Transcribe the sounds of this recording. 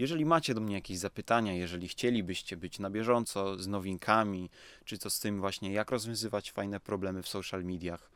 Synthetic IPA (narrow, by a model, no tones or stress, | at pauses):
jɛʐɛlʲimat͡ɕɛd̪ɔmɲɛjakʲeʑzapɘt̪aɲajɛʐɛlʲixt͡ɕɛlʲibɘɕt͡ɕɛbɘt͡ɕnabʲjɛʐɔnt̪sɔznɔvʲiŋkʰamʲit͡ʂɘt̪ɔst̪ɘmvwaɕɲɛjakɾɔzvʲjɔ̃w̃zɘvat͡ɕfajnɛpɾɔblɛmɘfsɔwʂalmʲid̪ʲjax